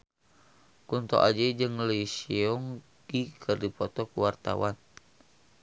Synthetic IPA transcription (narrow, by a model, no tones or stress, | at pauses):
kunt̪ɔ̰ʔad͡ʒɛd͡ʒɨŋləisiɔŋ | ɡ̥ikʰɨrdipɔt̪ɔkuwart̪a̰wan